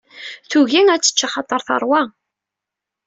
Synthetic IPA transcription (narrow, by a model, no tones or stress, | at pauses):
θuʝiŋæt͡sːə̥t͡ʃːaχɑt̪ˤːəɾˤθɑ̰ɾˤwæ